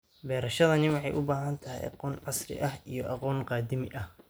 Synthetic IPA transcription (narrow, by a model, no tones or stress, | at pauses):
bɛːɾɐʃɐðɐnɪwɑħɑjʔʊbaːɦɐnt̪ʰɐɦɪ̰jɑ̰qɔːnʕɑsrɪ̰ʔɐɦijɔʔɑqɔːnqɑːd̪ɪmɪʔɐh